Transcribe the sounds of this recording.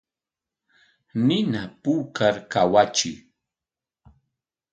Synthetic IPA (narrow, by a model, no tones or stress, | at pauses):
nɪnapuːkaɾkawat͡ʃɪ̰